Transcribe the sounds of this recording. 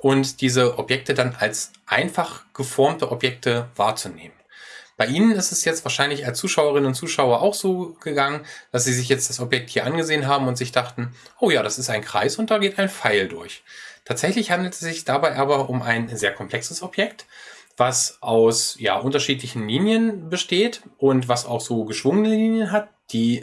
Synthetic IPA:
ʔʊntd̥iːzəʔɔpjɛk̚tədanalsʔaɪnfaχɡ̥əfɔɐmtəʔɔpjɛk̚təva̰ːɐt͡suneːmənb̥aɪʔiːnənɪstɛsjɛt͡stv̥aɐʃaɪnlɪçalst͡suːʃaʊəʁ̞ɪnənʊntt͡suːʃaʊɐʔa̰ʊxz̥oːɡ̥əɡaŋənd̥asz̥iːzɪç̬jɛt͡std̥asɔpjɛk̚thiːɐʔanɡəzeːənɦaːbm̩ʊntz̥ɪçd̥aχtn̩ʔoːjaːɾasɪstaɪnkʁ̥a̰ɪsʊnt̚d̥aːɡeːtaɪnfaɪldʊɐçtʰaːtz̥ɛçlɪçhandl̩tɛsz̥ɪçd̥abaɪʔaːbɐʔʊmʔaɪnzeːɐkʰɔmpl̥ɛksəsɔpjɛktv̥asʔaʊsja̰ːʔʊntɐʃiːtlɪçn̩liːnjənbəʃteːtʔʊntv̥asa̰ʊxz̥oːɡəʃv̥ʊŋənəliːnjənɦat | d̥iː

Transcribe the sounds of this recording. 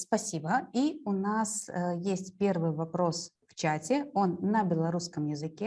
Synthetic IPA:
spɐsʲibəiʊnasjesʲtʲpʲe̞rvɨjvɐpɾo̞s | ft͡ɕatʲɪo̞nːɐbʲɪlˠɐɾuskəmjɪzɨkʲe

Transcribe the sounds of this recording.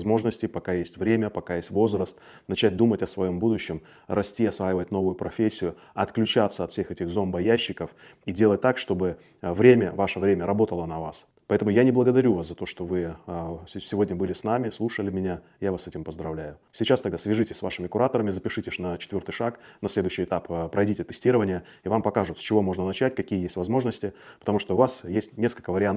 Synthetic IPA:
zmo̞ʐnəsʲtʲɪpɐkajesʲtʲvɾʲemʲəpɐkajesʲtʲvo̞zɾəst̪ | nɐt͡ɕæt̚ʲd̪umətʲɐsvɐjo̞mbud̪ʊɕːɪm | rɐsʲtʲiɐsvajɪvət̚ʲno̞vʊjʊpɾɐfʲesʲːɪjʊ | ɐt̪klʲʉt͡ɕat̪səɐt̪fsʲexɛtʲɪxzo̞mbəjæɕːɪkəfidʲe̞lˠət̚ʲt̪akʂt̪o̞bɨ | vɾʲemʲəvaʂəvɾʲemʲəɾɐbo̞t̪əlˠənɐvas | pɐɛt̪əmʊjanʲɪblˠəɡəd̪ɐɾʲuvaszɐt̪o̞ʂt̪ovɨ | sʲɪvo̞dʲnʲəbɨlʲɪsnamʲɪslˠuʂəlʲɪmʲɪnʲa | javasːɛtʲɪmpəzd̪ɾɐvlʲæjʊ | sʲit͡ɕast̪ɐɡ̚d̪asvʲɪʐɨtʲɪsʲsva̰ʂɨmʲɪkʊɾat̪əɾəmʲɪzəpʲɪʂɨtʲɪʂnət͡ɕɪt̪vʲo̞rt̪ɨjʂaknɐslʲe̞d̪ʊɕːɪjɪt̪appɾɐjdʲitʲɪt̪ɨsʲtʲiɾəvənʲɪjə | ɪvampɐkaʐʊt̪sʲt͡ɕɪvo̞mo̞ʐnənɐt͡ɕæt̚ʲkɐkʲijəjesʲtʲvɐzmo̞ʐnəsʲtʲɪpə̥t̪ɐmuʂt̪oʊvasjesʲtʲnʲe̞skəlʲkəvəɾʲɪant̪

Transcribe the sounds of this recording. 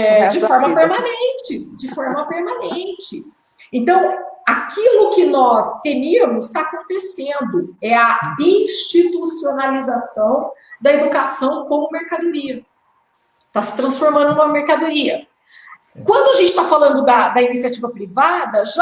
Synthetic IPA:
ɛd͡ʒɪfɔɾmɐpeɾmɐ̃nẽt͡ʃɪd͡ʒɪfɔɾmɐpeɾmɐ̃nẽt͡ʃɪ | ẽnt̪ɐ̃w̃akʰilʊkɪnɔst̪emiɐmʊst̪aːkõnt̪esẽnd̪ʊɛɐdĩst͡ʃit̪usionalizasɐ̃w̃d̪ɐed̪ukasɐ̃w̃kõmʊmeɾkad̪oɾiɐ | t̪asɪ̥t̪ɾɐ̃sfoɾmɐ̃nd̪ʊnũmɐmeɾkad̪oɾiɐ | kwɐ̃nd̪ʊaʒẽnt͡ʃɪ̥t̪afalɐ̃nd̪ʊd̪ɐd̪ɐinisiat͡ʃivɐpɾivad̪ɐʒa

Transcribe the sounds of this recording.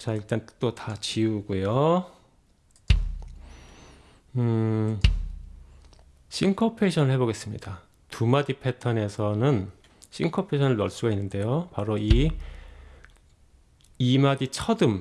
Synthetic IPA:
t͡ɕaiɭt͈ant͈otʰat͡ɕiuɡujo | ɯ | ɕʰiŋkʰʌpʰe̞ɕʰʌnɯɭhe̞boɡe̞s͈ɯmɲḭda | tumadipʰe̞tʰʌne̞sʰʌnɯn | ɕʰiŋkʰʌpʰeɕʰʌnɯɭːʌɭs͈uɡainːɯnde̞jopaɾoi | imadit͡ɕʰʌdɯm

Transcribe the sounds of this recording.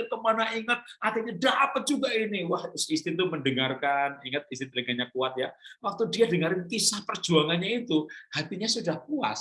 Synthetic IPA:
kəmanaiŋət̪̚at̪iɲadapət̪̚d͡ʒuɡaʔinɪwaht̪ʊsist̪ɪt̪uməndəŋarkaniŋət̪̚ist̪it̪əŋaɲakuat̪̚jawak̚t̪udiadəŋəɾɪnkisahpər̥d͡ʒuaŋanɲait̪uhat̪iɲasudahpua̰s

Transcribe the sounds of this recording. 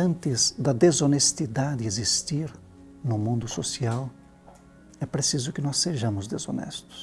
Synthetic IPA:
ɐ̃nt̪ɪzd̪ɐd̪ezonest̪id̪ad̪ɪezist̪iɾ | nʊmũnd̪ʊsosiaw | ɛpɾesizʊkɪnɔsːeʒɐ̃mʊzd̪ezo̰nɛ̰st̪ʊ̥s

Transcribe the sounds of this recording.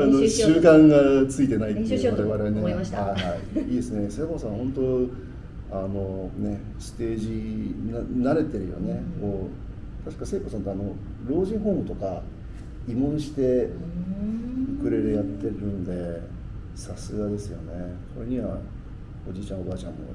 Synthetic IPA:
anoɕɨːkãŋɡat͡sɨit̪e̞nait̪ːβaɾe̞βaɾeneaɕahaiiːd̪esɨne̞se̞ːko̞sãhõ̞nt̪o | ano̞ne̞ | sɨ̥t̪e̞ːʑinanaɾe̞t̪e̞ɾɯ̟̰jo̰nekoː | t̪aɕi̥kase̞ːko̞ːsãnt̪oano̞ | ɾo̞ːʑĩɰ̃ɦo̞ːmɯ̟t̪o̞ka | imõ̞ɰ̃ɕi̥t̪e̞ | ɯkɯ̟ɾe̞ɾɯ̟jat̪ːe̞ɾɯ̟̃nd̪e̞ | sasɨɡad̪e̞sɨjo̞̰ne̞ | koɾeɲ̟iβa̰ | od͡ʑit͡ɕãɰ̃o̞baːt͡ɕã̰mːo̰

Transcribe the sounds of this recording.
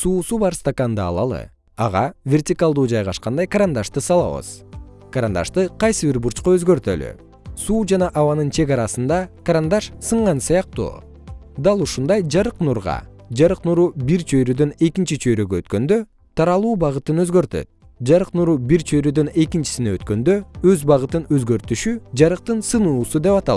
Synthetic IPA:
suːsubɑɾst̪akand̪ɯɑ̰lˠɑ̰lˠɯ̰ | ɑ̰ʁɑvʲe̞rtʲikalˠd̪uːd͡ʒɑjʁɑʃqɑnd̪ɑjkaɾand̪aʃt̪ɯsɑlˠɑ̰βɯ̰z̥ | kaɾand̪ɑ̰ʃt̪ɯqʰɑjsɯbiɾbuɾt͡ʃqoøzɡø̞ɾt̪ø̰ly̰ | suːd͡ʒɑnɑʔɑwɑnɯnt͡ʃʰe̞ɡɑɾɑsɯnd̪ɑkaɾand̪ɑʃsɯɴʁɑnsɯjɑq̚t̪ṵː | d̪ɑlˠuʃund̪ɑjd͡ʒɑɾɯqnuɾʁɑ̰d͡ʒɑɾɯqnuɾubiɾt͡ʃʰøjɾød̪øne̞kint͡ʃit͡ʃʰøjɾøɡøøt̪kø̞nd̪ø̞ | t̪ʰɑɾɑlˠuːbɑʁɯt̪ɯnøzɡø̞ɾt̪ø̰t̪̚ | d͡ʒɑɾɯqnuɾubiɾt͡ʃʰøjɾød̪øne̞kint͡ʃi̥sineøt̪kø̞nd̪ø̞øzbɑʁɯt̪ɯnøzɡø̞ɾt̪yʃyd͡ʒɑɾɯq̚t̪ɯnsɯnuːsud̪e̞pɑt̪ɑ

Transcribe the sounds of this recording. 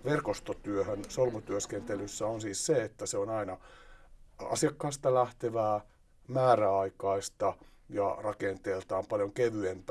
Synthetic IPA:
ʋerkost̪ot̪yøhønsolmut̪yøskent̪elysːæonsiːsseet̪ːæseonɑinɑ | ɑ̰siɑkːɑist̪ɑlæht̪eʋæː | mæːræɑikɑist̪ɑ | jɑ̰rɑkent̪eːlt̪ɑːmpɑljoŋkeʋyenp

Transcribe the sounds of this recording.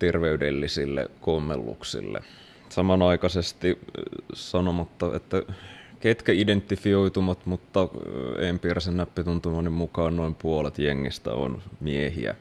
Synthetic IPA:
t̪erʋeydelːisilːḛkomːḛlːṵksḭlːḛ | sɑmɑnɑikɑsest̪i | sɑnomɑt̪ːɑḛt̪ːæket̪kæident̪ːifioit̪umɑt̪mut̪ːɑḛmpiræsenːæpːit̪unt̪umɑnːimmukɑːnnoimpuolet̪jeŋːḭst̪æ̰o̰nmiehḭæ̰

